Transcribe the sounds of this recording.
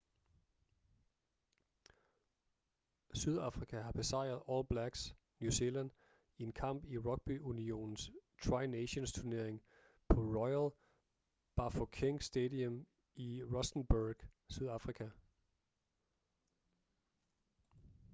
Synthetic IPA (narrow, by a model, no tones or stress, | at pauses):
syð̞ˠɑfʁikʰæɦɑ̈b̥e̝sɑ̈ɪ̰ɐð̞̩ˠɒːlb̥læɡ̥s | njuselæn | ie̝nkʰɑ̈m̰b̥iʁɒ̽ɡ̥̚b̥yunio̝̰ːnn̩st͡sʰʁɑ̈ɪneɕonst͡sʰuɐne̝ɐ̰eŋ | pʰɒ̽ʁɒɪæl | b̥ɑ̈fokʰeŋsd̥ed̥iəm | iʁɔsn̩b̥uɡ̥syð̞ˠɑfʁikʰæ